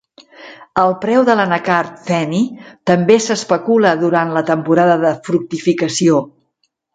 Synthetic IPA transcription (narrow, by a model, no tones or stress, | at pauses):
əlˠpɾɛwðələnəkaɾt̪fɛnit̪əmbesəspəkuləðuɾant̪lət̪əmpuɾaðəðəfɾuk̚t̪ifikəsio